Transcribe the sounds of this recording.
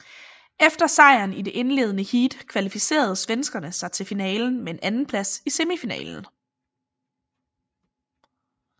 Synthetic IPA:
efd̥ɐsɑ̈ɪ̰ɐnid̥e̝ʔe̝nle̝̰ːð̞ˠənəhiːd̥kʰʋælifise̝̰ːɐð̞̩ˠsʋensɡ̥ɐnəsɑ̈ɪt͡sʰe̝lfinɛːln̩mee̝nʔænn̩pʰlæsise̝mifinɛ̰ːln̩

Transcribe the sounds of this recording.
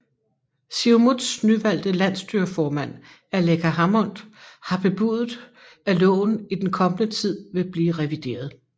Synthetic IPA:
siʊmud̥snyʋæl̰d̥əlæn̰sd̥yɐfɒːmæn̰ | ælekʰæɦɑmɔ̽n̰d̥hɑ̈b̥e̝b̥uðˠð̩ˠ | ælɔ̰̽ːʊn̩id̥enkʰɒ̽mənət͡sʰið̞̰ˠʋe̝b̥liːʁɛʋid̥e̝̰ːɐð̞ˠ

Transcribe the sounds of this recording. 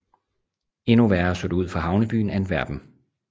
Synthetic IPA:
e̝nuʋæɐɐsod̥uð̰ˠfɒɦɑ̈ʊnəb̥y̰ːn̩æedʋæɐb̥n̩

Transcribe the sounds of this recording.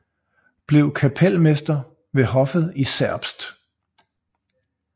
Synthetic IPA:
b̥le̝ʊkʰæpʰel̰mesd̥ɐ | ʋe̝ɦɒ̽fəð̩ˠisæɐ̰b̥sd̥

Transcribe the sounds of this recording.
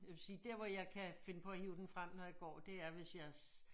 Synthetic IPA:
jɑʋe̝lsiːd̥eɐ̰ʋɒjɑ̈ɪkʰæfe̝nəpʰɒ̽æhiːʊd̥enfʁam̰nɒjɑ̈ɡ̥ɒ̰ːd̥e̝æɐʋe̝sjɑɪ

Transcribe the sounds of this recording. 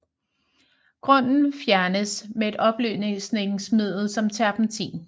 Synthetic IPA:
ɡ̥ʁɔ̽n̰n̩fjæɐnəsmee̝d̥ɒ̽b̥ly̰ːne̝sne̝ɡ̥ŋsmið̰ˠð̩ˠsɒ̽mt͡sʰæɐb̥n̩t͡sʰḭːn

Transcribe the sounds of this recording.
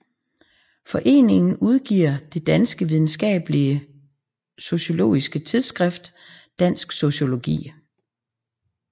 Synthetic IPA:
fɒ̽ʔe̝̰ːne̝ŋn̩uð̞ˠɡ̥ḭɐ̰d̥e̝d̥ænsɡ̥əʋið̞ˠn̩sɡ̥ɛ̰ːb̥əliə | so̝ɕo̝lo̝̰ːisɡ̥ət͡sʰið̞ˠsɡ̥ʁɛfd̥ | d̥æn̰sɡ̥so̝ɕo̝lo̝ɡ̥ḭː

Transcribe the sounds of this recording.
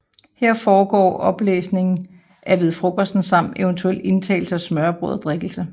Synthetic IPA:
he̝ɐ̰fɒːɡ̥ɒ̰ːʔɒ̽b̥lḛːsne̝ŋn̩ | ʔæʋið̞ˠfʁoɡ̥ɐsd̥n̩sɑ̈m̰n̩e̝ənt͡sʰuelde̝nt͡sʰɛ̰ːl̩səɒ̽smɶɐb̥ʁo̰ðˠɐd̥ʁeɡ̥l̩sə

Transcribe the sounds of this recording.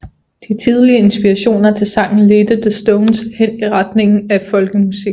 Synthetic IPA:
d̥it͡sʰið̞ˠliəe̝nsb̥iʁɑɕo̝̰ːnɐt͡sʰe̝lsɑ̈ŋ̰n̩led̥ədəsd̥ɔʊnshen̰iʁad̥ne̝ŋn̩æ̥fɒ̽lɡ̥əmusiɡ̥

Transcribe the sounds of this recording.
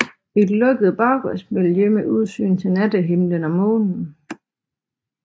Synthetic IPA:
e̝d̥lɔ̽ɡ̥əð̞̩ˠb̥ɑ̈ʊɡ̥ɔsmeljemeʔuð̞ˠsy̰ːnt͡sʰe̝næd̥əɦe̝mlənɒ̽mɔ̰̽ːnn̩

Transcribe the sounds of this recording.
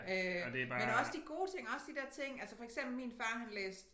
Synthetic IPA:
ød̥emenɒ̽sd̥iɡ̥o̝ːt͡sʰe̝ŋ̰ɒ̽sd̥id̥eɐ̰t͡sʰe̝ŋ̰ælsəfɒ̽eɡ̥sem̰b̥l̩miːnfɑ̈ːhænlḛːsd̥

